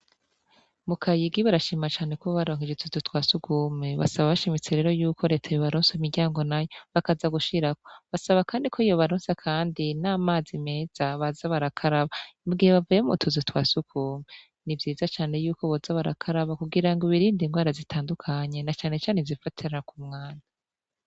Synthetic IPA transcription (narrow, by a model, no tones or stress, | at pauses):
mukʰajiɡiβaɾaʃiːmat͡ʃaːne̞koβaɾo̞ːŋ̥hid͡ʒetuzitwaːsukuːmeβa̰saβaβaʃimit͡seɾe̞ːɾo̞juːkʰo̞ɾe̞ːtʰajoβaɾoːnsaimiɾɟaːŋɡo̞najoβakazaɡuʃiɾako̥βasaβakaːndikʰoijo̞βaɾoːnsakʰaːndinaːmaːzime̞ːz̥aβazaβaɾakʰaɾaβamuɡiheβavujeumṵːntʰuzitwaːsukuːme | nivjiːzat͡ʃaːne̞juːko̞βozaβaɾa̰kʰaɾaβakuɡiɾaŋɡoβiɾiːndiŋɡwaːɾazitʰaːndukʰaɲe̞nat͡ʃaːne̞t͡ʃaːnezifatʰiɾakumŋaːnda